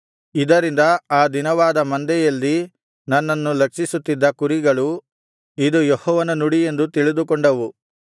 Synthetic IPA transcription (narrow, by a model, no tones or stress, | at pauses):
id̪ɐɾind̪ɐaːd̪inɐʋaːd̪ɐmɐnd̪ɛjɐlːi | nɐnːɐnːulɐkʂisut̪ːid̪ːɐkuɾiɡɐɭu | id̪ujɔhɔːʋɐnɐnuɽije̞nd̪ut̪iɭid̪ukɔɳɖɐʋu